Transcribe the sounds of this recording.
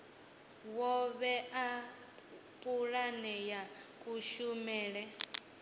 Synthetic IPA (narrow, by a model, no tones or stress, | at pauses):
wɔβɛa | pʼuɺanɛjakʼuʃumɛːɺɛ